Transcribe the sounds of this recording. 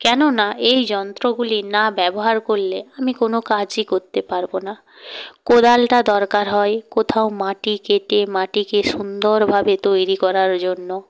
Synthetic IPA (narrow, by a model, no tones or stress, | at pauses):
kɛnonaʔejd͡ʑɔnt̪ɾoɡulinabɛboɦaɾkoɾleamikonokad͡ʑikoɾt̪epaɾbona | kod̪alʈad̪ɔɾkaɾɦɔekot̪ʰaomaʈikeʈemaʈikeʃund̪oɾbʱabet̪ojɾikɔɾaɾd͡ʑonːo